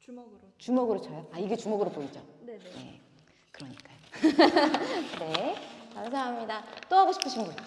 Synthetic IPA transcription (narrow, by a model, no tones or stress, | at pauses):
t͡ɕumoɡɯɾot͡ɕʰʌjoaiɡe̞t͡ɕumoɡɯɾopoid͡ʑon̞e̞̰ | kɯɾʌɲik͈ajo | ne̞kams̬ʰaɦamɲidat͈oɦaɡoɕʰi̥pʰɯɕʰinbuɭ